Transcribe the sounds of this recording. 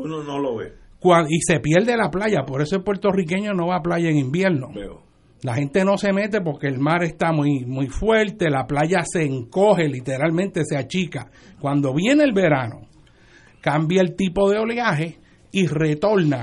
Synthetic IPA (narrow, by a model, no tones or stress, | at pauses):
unonoloβekwaise̞pjeɾd̪e̞laplaʝapo̞ɾe̞soelpwe̞ɾt̪o̞rike̞ɲo̞no̞βaːplaʝaeŋĩmbjeɾno̞ | laɦe̞nt̪e̞no̞se̞me̞t̪e̞p̬o̞ɾke̞ːlmaɾe̞st̪amujmujfwe̞ɾt̪e̞laplaʝaseːŋko̞ɦe̞lit̪e̞ɾalmẽnt̪e̞seat͡ʃika | kwand̪o̞βje̞neːlβe̞ɾano̞̰ | kambjaelt̪ipo̞ðe̞o̞leaɦe̞ | ire̞t̪o̞ɾna